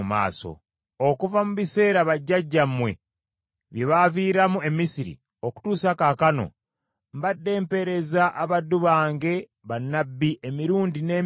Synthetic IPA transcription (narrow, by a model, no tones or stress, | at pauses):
ma̰ːso̞̰ | okuvamuβise̞ːɾaβaɟːaɟːamwe̞̰ | βjeβaviːɾamue̞misiɾḭ | o̞ku̥tuːsakakano̞̰ | mbadːe̞ːmpe̞ɾe̞zaʔaβadːuβaːŋɡe̞ | βanːabːiʔemiɾuːndine̞ː